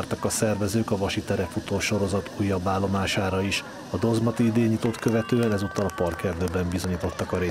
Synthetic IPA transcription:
rt̪ɒkɒsɛrvɛzøːkɒvɒʃit̪ɛɾɛfut̪oːʃo̞ɾo̞zɒt̪ujːɒbːaːlːo̞maːʃaːɾɒiʃ | ɒd̪o̞zmɒt̪iid̪eːɲːit̪o̞t̪kø̞vɛt̪øːɛnɛzut̪ːɒlɒpɒrkɛrd̪øːbɛmbizo̞ɲiːt̪o̞t̪ːɒkɒɾeː

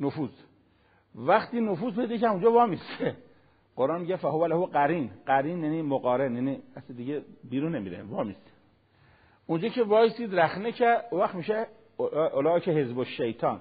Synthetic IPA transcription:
nofuːz | væxt̪iːnofuːzpʰejd̪ekʰæɾũnd͡ʒɔːvɒːmist̪e | ɢ̥oɾʔɑːnmiɟæfæhoʋælæhoqæɾiːnɢæɾiːnjæniːmoɣɒːɾenjæniæsid̪iɟebiːɾunːemiːɾḛvɒːmist̪ | und͡ʒɔːcʰevɒːjisiːd̪ɾæxnecʰæd̪uvæxmiʃe | ʔolɑːkʰehezboʃːejt̪ʰɑːn

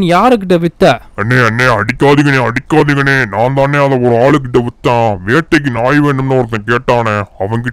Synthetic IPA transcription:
njaːɾɯk̬ːɪʈ̬ːɐʋɪt̪ːɐːɐnːeːɐnːeːɐɽɪkːaːðɪŋɡɐneːɐɽɪkːaːðɪŋɡɐneːnãːnd̪aːneːɐðɐɔɾɯaːɭɯk̬ːɪʈːɐʋɪt̪ːãːʋeːʈːɐk̬ːɯnaːjʋeːɳɖɯmnːɯɔɾɐt̪̬ːɐ̃ːkeːʈːaːnɛɐʋɐŋɡɪ

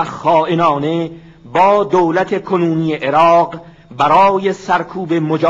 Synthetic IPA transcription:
xɒːʔenɒːne̞ | bɒːd̪owlæt̪ʰe̞kʰonuːnijeʔeɾɒːɢ | bæɾɒːjesæɾkʰuːbemod͡ʒː

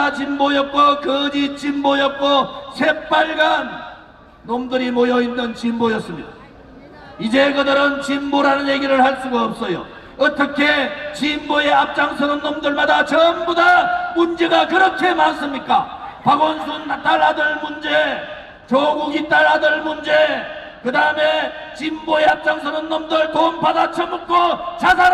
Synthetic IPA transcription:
at͡ɕimbojʌp̚k͈okɯd͡ʑit͡ɕimbojʌp̚k͈osʰe̞p͈aɭɡanː | omdɯɾimojʌinːɯnt͡ɕimbojʌs͈ɯmɲida | id͡ʑe̞ɡɯdʌɾɯnt͡ɕimboɾanɯnje̞ɡiɾɯɭhaɭs͈uɡaʌp̚s͈ʌjo̰ | ʌt͈ʌkʰet͡ɕimboje̞ap̚t͡ɕ͈aŋsʰʌnɯnːomdɯɭmadat͡ɕʌmbudamund͡ʑe̞ɡakɯɾʌkʰe̞mans͈ɯmɲik͈apaɡʌnsʰunːat͈aɭːadɯɭmund͡ʑe̞ | t͡ɕoɡuɡit͈aɭːadɯɭmund͡ʑe̞ | kɯdaɯme̞ | t͡ɕimboe̞ap̚t͡ɕ͈aŋsʰʌnʌnnːʌmdɯɭtompadat͡ɕʰʌmukʰot͡ɕasʰa

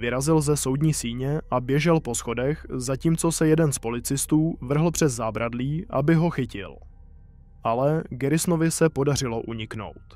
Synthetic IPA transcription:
vɪɾazɪlzɛso̞wdɲiːsiːɲɛʔabjɛʒɛlpo̞sxo̞dɛxzaciːmt͡so̞sɛjɛdɛnspo̞lɪt͡sɪst̪uːvr̩ɦl̩pr̝̥ɛzzaːbɾʔadliːʔabɪɦo̞xɪcɪ̰l | ʔalɛɡɛɾɪsnovɪsɛpo̞dar̝ɪlo̞ʔuɲɪkno̞̰wt̪

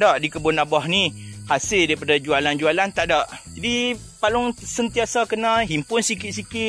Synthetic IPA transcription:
daʔdikəbʊnabɔhnihasɪldaɾipadad͡ʒualand͡ʒualant̪aʔdaʔd͡ʒadi | palʊŋsənt̪iasakənãɦimpʊnsikɪt̪̚sikɪ

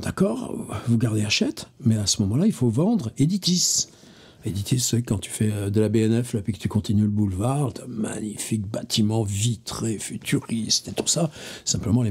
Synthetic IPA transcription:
d̪̥akɔʁvuɡaʁd̪eaʃɛt̪mɛasəmɔmɑ̃lailfovɑ̃d̪ʁed̪it̪is | ed̪it̪ʰisːɛkɑ̃t̪y̥fɛød̪əlabeɛnɛflapɥikə̥t̪ykɔ̃t̪inyləbulvaʁt̪ɛ̃ma̰ɲifik̚bat̪ʰimɑ̃vit̪χefyt̪ʰyʁist̪et̪u̥sasɛ̃pləmɑ̃le

